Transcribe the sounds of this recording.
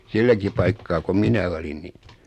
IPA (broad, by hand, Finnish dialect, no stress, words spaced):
silːæki pɑikːɑː ko minæ olin ni